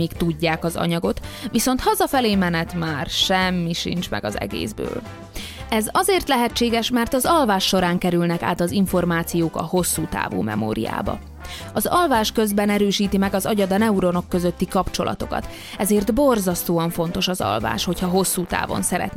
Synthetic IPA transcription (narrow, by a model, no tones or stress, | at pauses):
eːkt̪uɟːaːkɒzɒ̰ɲɒɡo̞t̪ʋiso̞nt̪hɒzɒfɛleːmɛnɛt̪maːrʃɛmːiʃḭnt͡ʃmɛ̰ɡɒ̰zɛ̰ɡḛːzbø̰ːl | ɛzɒzeːrt̪lɛɦɛt͡ʃːeːɡɛʃmɛrt̪ɒzɒlvaːʃːo̞ɾaːŋkɛɾylnɛka̰ːt̪ɒziɱfo̞rmaːt̪sijoːkɒ̰ho̞sːuːt̪a̰ːvṵːmɛ̰mo̰ːɾḭja̰ːbɒ̰ | ɒzɒlvaːʃkø̞zbɛnɛɾøːʃiːt̪imɛɡɒzɒɟɒd̪ɒnɛuɾo̞no̞kːøzøt̪ːikɒpt͡ʃo̞lʔɒ̰t̪o̞̰kɒ̰t̪ | ɛzeːrd̪bo̞rzɒst̪oːɒɱfo̞n̪t̪o̞ʃɒzɒ̰lva̰ːʃho̞chɒɦo̞sːuːt̪a̰ːvo̞̰nsɛɾɛ̰t̪n